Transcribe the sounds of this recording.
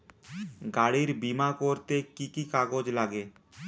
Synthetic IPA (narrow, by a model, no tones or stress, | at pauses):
ɡaɽiɾbimakoɾt̪ekikikaɡod͡ʒlaɡe